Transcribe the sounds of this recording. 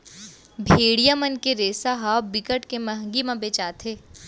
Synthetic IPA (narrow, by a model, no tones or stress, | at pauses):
bʱeːɽijamənkeɾeːsaɦaːwbɪkəʈkemɐɦə̃ŋɡimãbeːt͡ʃaːt̪ʰɦeː